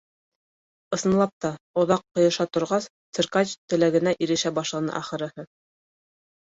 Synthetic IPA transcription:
ɤ̆sɤ̆nlˠɑp̚t̪ɑŏðɑqːŏjɤ̆ʃɑt̪ŏɾʁɑst̪sɘ̆ɾkɑt͡ɕt̪ɘ̆læɡɘ̆næʔiɾɘ̆ʃæbɑʃlˠɑnɤ̰ʔɑχɤ̆ɾɤ̆hɤ

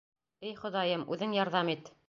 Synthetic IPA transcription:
ɘjχŏðɑjɤmʉðɘŋjɑɾðɑmit̪

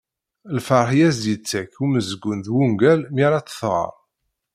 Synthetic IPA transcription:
lfəɾˤħjæzjət͡sːæçuməzəɡːʊnðwuŋɡælmiɾɑt͡sːə̥θʁə̰ɾˤ

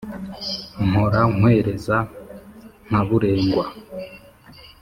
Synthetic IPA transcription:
ŋ̥oɾaŋ̥we̞ːɾe̞za | ŋ̥aβuɾe̞ːŋɡwa

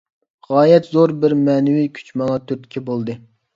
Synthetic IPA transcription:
ʁɑːjɛt̪zoɾbɪɾmɛnɪwikʲʰy̥t͡ʃmɑlˠɑt̪ʰyɾt̪ʰɪ̥kʲʰɛbolˠd̪ɨ

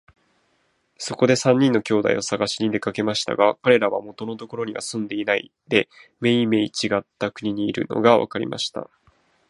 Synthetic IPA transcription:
so̞ko̞d̪e̞sãɲ̟ːĩnːo̞kʲo̞ːd̪a̰ḭosaɡaɕiɲ̟id̪e̞kake̞maɕi̥t̪a̰ɡakaɾe̞ɾaβamo̞t̪o̞no̞t̪o̞ko̞ɾo̞ɲ̟iβa̰sɨ̃nd̪e̞inaḭ | d̪̥e̞me̞ime̞it͡ɕiɡat̪ːakɯ̟ɲ̟iɲ̟iːɾɯ̟̰no̞̰ɡaβa̰kaɾʲḭmʔa̰ɕi̥t̪a̰

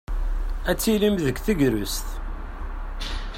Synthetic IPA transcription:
æt͡sːilimðəkθəɡɾʊst̪

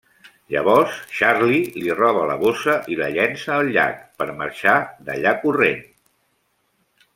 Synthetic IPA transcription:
ʎəβɔɾsʃaɾlilirɔβ̞ələ̰βosəʔiβəʎɛnsəːlˠʎːa̰kpəɾmə̰ɾʃad̪ə̰ʎakuren

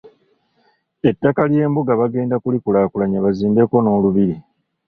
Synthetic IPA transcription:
e̞tːakalje̞ːmbuɡaβaɡe̞ːndakulikulaːkulaɲeβaziːmbe̞ko̞no̞ːluβiɾi

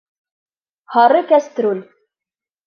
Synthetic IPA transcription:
hɑɾɤkæst̪ɾulʲ

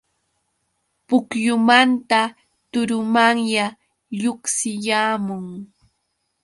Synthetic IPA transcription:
pʊkjʊmant̪a | t̪ʊɾʊmaŋja | ʎʊksɪjaːmʊŋ

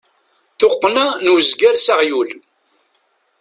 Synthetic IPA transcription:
θoqːnænwəzɡæɾsaʁjul

